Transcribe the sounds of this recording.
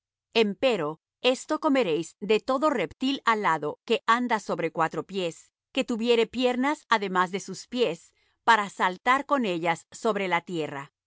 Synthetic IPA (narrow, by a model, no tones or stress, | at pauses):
e̞mpe̞ɾo̞ | e̞st̪o̞ko̞me̞ɾe̞jzd̪e̞t̪o̞ðo̞re̞pt̪ilalaðo̞ke̞ʔand̪aso̞βɾe̞kwat̪ɾo̞pje̞s | ke̞t̪uβje̞ɾe̞pje̞ɾnasaðe̞mazðe̞suspje̞s | paɾasalt̪aɾko̞ne̞ʎasːo̞βɾe̞lat̪je̞ra